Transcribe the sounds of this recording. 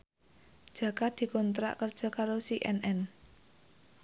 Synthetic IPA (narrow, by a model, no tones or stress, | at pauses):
d̥ʒ̥ä̤kad̪̥i̤kɔnt̪ɾa̰ʔkərd̥ʒ̥a̤kaɾosiʔɛnɛn